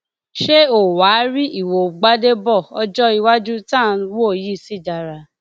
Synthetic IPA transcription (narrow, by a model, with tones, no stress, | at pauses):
ʃe˦o˨wa˨˦ɾi˦ʔi˦˨wo˨ɡ͡ba˦de˦bɔ˦˨ɔ˧d͡ʒɔ˦i˧wa˦d͡ʒu˦tã˦˨˧wji˦˨si˦˨da˧ɾa˨˧˨